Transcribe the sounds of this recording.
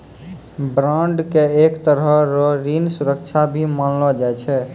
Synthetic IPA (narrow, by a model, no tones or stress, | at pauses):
bɾãɳɖkeekt̪əɾɦəɾɔɾinsuɾək̚t͡ʃʰabʱimənlɔd͡ʒajt͡ʃʰɛ